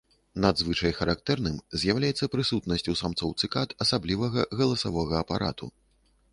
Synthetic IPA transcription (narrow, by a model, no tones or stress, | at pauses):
nad̪zvɨt͡ʂɐjxɐɾak̚t̪ɛrnɨmzʲjawlʲajɛt̪sːɐpɾɨsut̪nɐsʲt͡sʲusamt̪sɔwt̪sɨkat̪ɐsablʲivɐɣɐɣɐlˠɐsavɔɣɐːpa̰ɾa̰t̪ṵ